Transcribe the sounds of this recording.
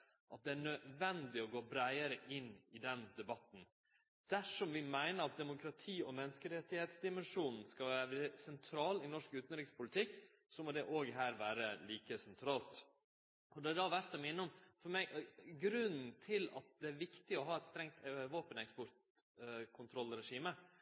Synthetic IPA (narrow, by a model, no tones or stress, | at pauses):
ʔɑt̪̚d̪ɛæɳœʋɛnd̪ɪɔɡoːbɾæɪəɾəʔɪnːɪd̪ɛnd̪ɛbɑt̪n̩ | d̪̥æʂɔmʋɪmæɪnəɾɑt̪̚d̪ɛmʊkʰɾɑt̪ʰiːɔmɛnːəskəɾɛt̪ːɪheːt̪sd̪ɪmɛnʂuːnn̩skɑʋːæɾʋɛɾsɛnt̪ʰɾɑːlɪnɔʂkʉːt̪nɾɪkspʰʊlɪt̪ʰɪkː | sɔmɔd̪ɛʔoːɡɦæːɾʋæːɾəliːkəsɛnt̪ʰɾɑːlt̪ | ʔɔd̪ɛæd̪ɑʋæɾt̪ɑmɪnːɔmfɔɾmɛɪʔɡɾʉnn̩t̪ʰɪlɑ̰t̪̚d̪ɛæɾʋɪkt̪ɪɔɦɑːɛt̪st̪ɾɛŋt̪ʋoːpənɛkspɔɾt̪ | kʰʊnt̪ʰɾɔlːɾɛʂiːmə